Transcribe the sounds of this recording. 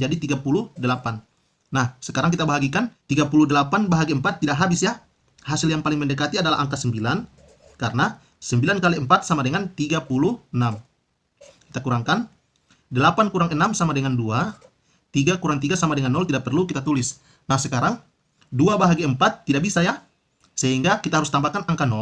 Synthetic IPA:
d͡ʒadit̪iɡapuludəlapanː | ahsəkaɾaŋk̬it̪abaɦaɡikant̪iɡapuludəlapanbaɦaɡiəmpat̪ːidaʔɦabɪsja | hasɪljaŋpalɪŋməndəkat̪iadala̰ɦaŋkasəmbilan | kaɾna | səmbilankaliəmpat̪̚samadəŋant̪iɡapuluhənam | ki̥t̪akuɾaŋkan | dəlapankuɾaŋənamsamadəŋandua | t̪iɡakuɾaŋt̪iɡasamadəŋanːɔlt̪idaʔ̚pərlukit̪at̪ulɪs | nahsəkaɾaŋ | duabaɦaɡiəmpat̪ːidaʔ̚bisaja | səɦiŋɡakit̪aɦaɾʊust̪ambakanaŋkanɔ

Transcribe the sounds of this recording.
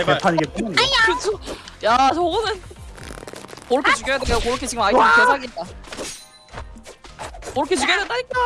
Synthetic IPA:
epʰaɲiɡet̚p͈ukɯt͡ɕʰojat͡ɕʌɡɯnɯn | moɾɯkkʰet͡ɕuɡjʌjadek͈akoɾɯkʰet͡ɕiɡɯmaiɯkesʰaɡet̚t͈a | moɾɯkʰe̞t͡ɕuɡjʌjadendaɲik͈a

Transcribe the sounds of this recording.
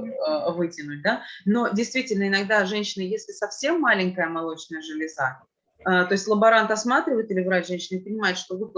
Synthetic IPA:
vɨtʲɪnʊlʲd̪ano̞dʲɪjst̪vʲitʲɪlʲnəɪnɐɡ̚d̪aʐɛnʲɕːɪnəjesʲlʲɪsɐfsʲe̞mːalʲɪŋʲkəjəmɐlˠo̞t͡ɕnəjəʐɨlʲɪza | ət̪o̞ɪsʲtʲlˠəbɐɾant̪ɐsmat̪ɾʲɪvəjɪt̪ɨlʲɪvɾatʲʐɛnʲɕːɪnəɪpənʲɪmajɪt̪ʂt̪o̞vɨp

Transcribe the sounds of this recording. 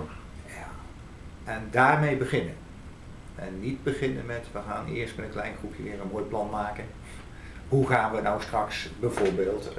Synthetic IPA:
ja | ʔɛndaːrmejbəɣɪnə | ɛnːidbəɣɪnənmɛtʋəχaːnɪ̰ərstmənənklɛjnχrupʰjəʋɪːrənmoːjplɑnmaːkən | huχaːnʋənawstrɑksbəvoɹbɪːlˠt

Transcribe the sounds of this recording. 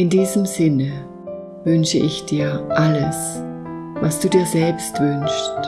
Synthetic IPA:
ʔɪndiːzəmzɪnə | vʏnʃəʔɪçd̥iːɐʔaləs | vasd̥uːdiːɐzɛlpstv̥ʏnʃt

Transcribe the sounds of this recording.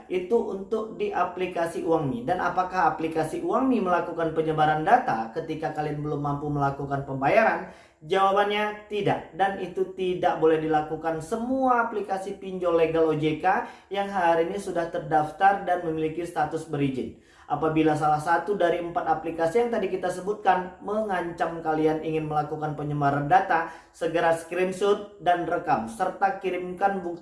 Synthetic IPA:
ʔit̪uʔunt̪ʊk̚diʔaplikasiʔuaŋmidanʔapakaɦaplikasiʔuaŋniməlakukanpəɲəbaɾandat̪akət̪ikakalianbəlʊmːampuməlakukanpəmbajaɾan | d͡ʒawabanɲat̪idaʔdanit̪ut̪idaʔ̚bolɛhdilakukansəmuaːplikasipiɲd͡ʒoleɡalod͡ʒekajaŋɦaɾinisudaht̪ərdaft̪ardanməmilikist̪at̪ʊsbəɾid͡ʒɪ̰n | ʔapabilas̬alahsat̪udaɾiəmpat̪aplikasijaŋt̪adikit̪asəbut̪̚kanməŋaɲt͡ʃamkalianiŋɪnməlakukanpəɲəmbaɾandat̪a | səɡəɾaskɾɪmsʊr̚danrəkamsərt̪akiɾɪmkanbuk̚

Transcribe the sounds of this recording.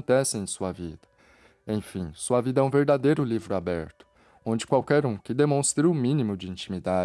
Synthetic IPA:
nt̪ɛsɪ̃ẽj̃suɐvid̪ɐ | ẽj̃fĩsuɐvid̪ɐɛũveɾd̪ad̪ejɾʊlivɾʊabɛ̰ɾt̪ʊ̥ | õd͡ʒɪkwawkɛɾũkɪd̪emõst̪ɾɪʊmĩnimʊd͡ʒɪĩnt͡ʃimid̪a

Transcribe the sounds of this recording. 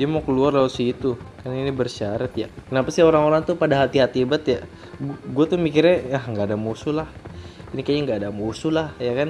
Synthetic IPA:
diamokəluarlalosit̪ukaninibərʃaɾat̪jakənapasioɾaŋoɾaŋt̪upadaɦat̪iɦat̪ibat̪ja | ɡuat̪umikɪrɲaahŋɡaːdamusulahinikajaŋɡaːdamusulahjakan

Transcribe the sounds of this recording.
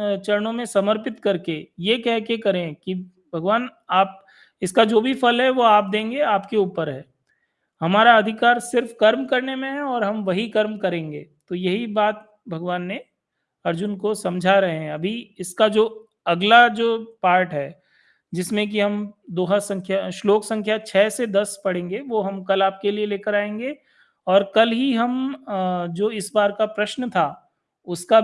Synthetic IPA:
t͡ʃɐɾnõmẽsɐməɾpɪt̪kɐɾkejekɛɦkekɐɾẽki | bʱɐɡʋaːnaːp̚ | ɪskad͡ʒoːbʱifɐlɦɛʋoaːp̚d̪ẽːŋɡeaːpkeuːpəɾɦɛː | hɐmaːɾaɐd̪ʱɪkaːɾsɪɾfkɐɾmkɐɾnemẽɦɛɔːɾɦɐmʋɐɦikɐɾmkɐɾẽːŋɡḛːt̪ojɐɦibaːt̪̚ | bʱɐɡʋaːnːe | ɐɾd͡ʒʊnkosɐ̃md͡ʒʱaɾɐɦeɦɛ̃ɐbʱiɪskad͡ʒoː | ɐɡlad͡ʒoːpaːɾʈɦɛː | d͡ʒɪsmẽk̬iɦɐmd̪oːɦasɐ̃ŋkʰjaʃloːksɐ̃ŋkʰjat͡ʃʰɛːsed̪ɐspɐɽ̤ẽːŋɡeʋoːɦɐmkɐlaːp̚kelieleːkəɾaːẽːŋɡeː | ɔːɾkɐlɦiɦɐm | d͡ʒoːɪsbaːɾkapɾɐʃnət̪ʰa | ʊska

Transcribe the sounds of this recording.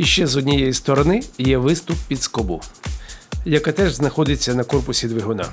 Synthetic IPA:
iʃt͡ʃɛzɔdʲnʲijɔjist̪ɔɾɔnɪjɛʋɪst̪ʊpːʲid̪skɔbʊ | jɐkat̪ɛʒznɐxɔd̪ɪt͡sʲːɐnɐkɔrpʊsʲid̪ʋɪɦɔnɑ̰

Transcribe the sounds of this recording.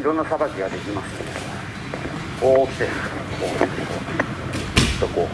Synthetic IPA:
iɾõnːasabakʲiɡad̪e̞kʲimasɨ̥ne | oːt̪ːes | oːt̪eso | t̪ːoko

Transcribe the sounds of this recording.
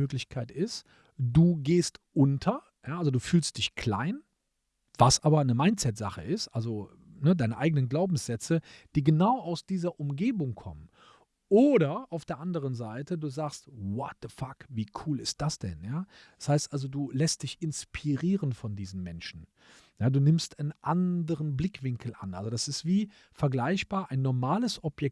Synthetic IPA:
øːklɪçkʰaɪtɪst | d̥uːɡeːstʔʊntʰɐ | jaːʔalzoduːfyːlst̚d̥ɪçkʰl̥a̰ɪn | vasʔaːbɐnəmaɪ̃ntt͡sɛtz̥a̰χə̰ʔɪstʔalzo | nədaɪnəʔaɪɡənənɡlaʊbm̩sz̥ɛt͡səd̥iːɡənaʊʔaʊsd̥iːzɐʔʊmɡeːbʊŋkʰɔ̰mən | ʔoːɾɐʔaʊfd̥eːɐʔandəʁ̞ənzaɪtəduːzaːkstwɔt̚ðəfakviːkʰuːlɪst̚d̥asd̥ɛ̰njaːd̥ḁshaɪstʔalzoduːlɛst̚d̥ɪçɪnspʰiʁiːʁənfɔndiːzn̩mɛnʃn̩ | jaːduːnɪmstanʔandəʁənblɪkv̥ɪŋkʰl̩ʔa̰nʔalzodasɪstv̥iː | fɛɐɡlaɪçb̥aːɐʔaɪnːɔɐmaːləsʔɔpjɛk̚t

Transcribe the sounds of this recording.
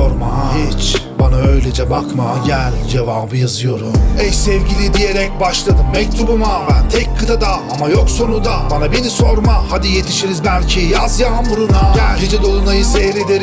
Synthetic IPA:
oɾmahit͡ʃbanaø̞jlʲɛd͡ʒɛbakmaɟælʲd͡ʒe̞vaːbɯjazɯjo̞ɾumɛjsɛvɟilʲid̪ije̞ɾɛc̚baʃlˠad̪ɯmːɛc̚t̪ʰubumabænt̪ʰɛcʲkʰːɯd̪ʰad̪aamajo̞kso̞nud̪abanabiniso̞ɾmahad̪ijet̪ʰiʃiɾizbælʲcʰijazjaɦamuɾunaɟæɾd͡ʒid͡ʒɛd̪o̞lˠunajɯsɛhɾed̪eɾ

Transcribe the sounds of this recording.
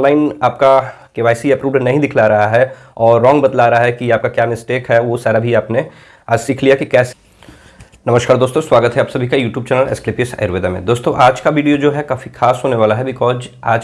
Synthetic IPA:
nlaːɪnaːp̚ka | keʋaːɪsiɐpɾuːbɖnɐɦĩd̪ɪkʰlaɾɐɦaɦɛ | ɔːɾːɔ̃ːŋɡbɐd̪laːɾɐɦaɦɛkiaːp̚kakjaːmɪsʈeːkɦɛʋosaːɾabʱiaːpne | aːd͡ʒsɪkʰlijakikɛːs | nɐməʃkaːɾd̪oːst̪õswaːɡət̪ɦɛaːpsɐbʱikajuːʈjuːb̚t͡ʃɛːnəlɪ̰sklɪpɪsɛ̰ːɪɾʋeːd̪amḛ̃d̪oːst̪õʔaːd͡ʒkaʋiːɖijod͡ʒoːɦɛkaːfixaːsɦoːneʋaːlaɦɛbɪkɔːz | aːd͡ʒ

